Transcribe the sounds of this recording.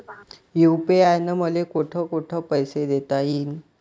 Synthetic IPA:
jupeajnəməlekoʈʰəkoʈʰəːpəjsed̪et̪aɦiːn

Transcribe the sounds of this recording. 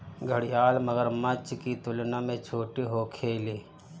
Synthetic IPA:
ɡʱəɽɪjaːlməɡəɾmət͡ʃkit̪ʊlnamẽt͡ʃʰoːʈiɦoːkʰeːliː

